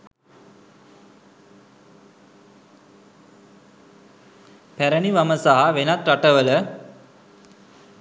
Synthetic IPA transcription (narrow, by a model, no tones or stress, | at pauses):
pæɾəniʋaməsaɦaʋenat̪ɾaʈəʋələ